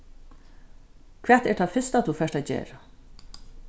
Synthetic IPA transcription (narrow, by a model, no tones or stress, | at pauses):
kʰvɛːt̪ɛʈt̪ʰafɪst̪at̪ʰufɛːʂt̪ajd͡ʒḛːɾa